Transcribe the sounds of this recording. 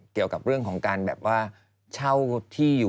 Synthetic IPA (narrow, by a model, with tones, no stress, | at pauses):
ki˨˩əwka˨˩p̚ɾɯ˥˩əŋkʰɔː˩˦ŋkaː˧nbɛ̰ː˨˩p̚waː˥˩ | t͡ɕʰa˥˩wt̪ʰiː˥˩juː˨˩